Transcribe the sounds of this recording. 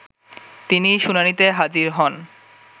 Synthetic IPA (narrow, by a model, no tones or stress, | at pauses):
t̪iniʃunanit̪eɦad͡ʑiɾɦɔn